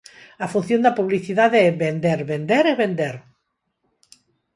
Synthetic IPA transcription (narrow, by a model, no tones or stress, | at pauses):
afun̟θjond̪apuβ̞liθiðaðeɛβend̪eɾβend̪eɾeβend̪eɾ